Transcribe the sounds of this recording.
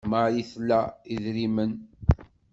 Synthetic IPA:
məʕjiθlːæiðɾimən

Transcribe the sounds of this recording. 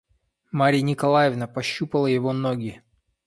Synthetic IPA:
maɾʲɪjənʲɪkɐlˠajɪvnəpɐɕːupəlˠəjɪvonoɡʲɪ

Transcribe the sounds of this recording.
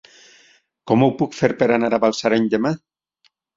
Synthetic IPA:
komowpukfeɾpeɾanaɾaβalsaɾejɲd̪ema

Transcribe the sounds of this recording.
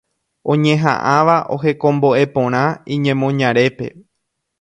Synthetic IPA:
õɲẽɦã̰ʔãʋaʔo̞ɦe̞kõ̞mbo̞ʔe̞põ̞ɾ̃ãĩɲẽ̞mõ̞ɲãɾe̞pe̞

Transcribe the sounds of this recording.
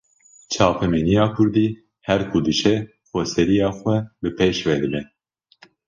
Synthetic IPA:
t͡ʃʰɑːpʰɛmɛnijɑːkʰʊɾd̪iː | hɛɾkʰud̪ɨʃɛ | xoːsɛɾijɑːxʷwɛbɨpʰeːʃvɛd̪ɨbɛ

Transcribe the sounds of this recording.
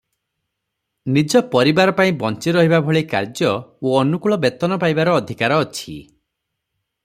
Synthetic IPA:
nid͡ʒɔpɔɾibaɾɔpaĩbɔnt͡ʃiɾɔɦibabʱɔɭika̰ɾd͡ʒɔoɔnukuɭɔbet̪ɔnɔpajbaɾɔːd̪ʱikaɾɔːt͡ʃʰi

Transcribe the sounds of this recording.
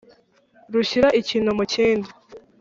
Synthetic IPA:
ɾuçiɾaʔiciːnhumuceːndi

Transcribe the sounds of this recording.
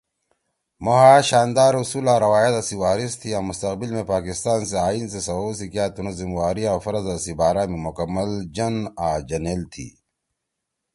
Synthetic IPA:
moɦaːɕaːnd̪aːɾusuːlaːɾɐwaːjɐt̪ɐsiwaːɾist̪ʰiãːmust̪ɐqbilmẽpaːkist̪aːnseaːiːnsesɐwoːsikjaːt̪unɐzimwaːɾiaːfɐɾɐzasibaːɾaːmimukɐmːɐld͡ʑɐnaːd͡ʑɐnelt̪ʰḭː

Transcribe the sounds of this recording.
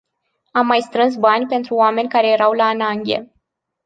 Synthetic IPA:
amːajst̪ɾɨns̬banʲpe̞nt̪ɾuoame̞nʲkaɾe̞je̞ɾawlaːnaŋɡʲḛ

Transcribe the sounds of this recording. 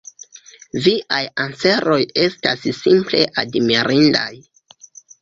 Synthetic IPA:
viʔajanse̞ɾo̞je̞stassimple̞̰ʔadmiɾinda̰j

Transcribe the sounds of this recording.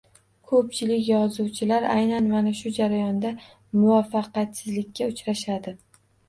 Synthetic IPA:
kʰɵp̚t͡ʃʰɪlɪkʲjɒzuwt͡ʃʰɪlaɾa̰jnanmanaʃʊd͡ʒaɾajɒnd̪a | mʊvɒfɑqat̪sɪzlɪkʲʰːaʊt͡ʃɾaʃad̪ɪ

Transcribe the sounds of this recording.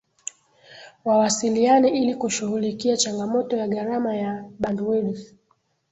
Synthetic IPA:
wawasilianɛʔilikuʃuhulikiat͡ʃaŋɡamɔtɔjaɠaɾamajaɓanduɛɗus

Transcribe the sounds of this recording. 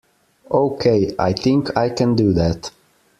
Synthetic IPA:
ʔoʊkʰeɪa̰ɪθɪ̃ŋkʰaɪkʰɨ̃ndɨðæt

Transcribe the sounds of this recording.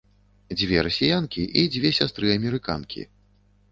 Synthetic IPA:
d͡zʲvʲɛɾɐsʲijankʲiʔid͡zʲvʲɛsʲast̪ɾɨɐmʲɛɾɨka̰nkʲʰḭ

